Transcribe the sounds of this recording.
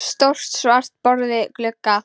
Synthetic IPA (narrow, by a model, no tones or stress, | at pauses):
st̪owr̥t̪svar̥t̪̚pɔɾðɪklʏkːa